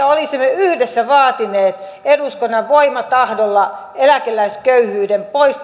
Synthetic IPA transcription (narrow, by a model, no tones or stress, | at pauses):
æolisimːeyhdesːæʋɑːt̪inˑeːt̪ | eduskonːɑʋʋoimɑt̪ɑhdolːɑ | elækelːˑæiskøyhyːdempois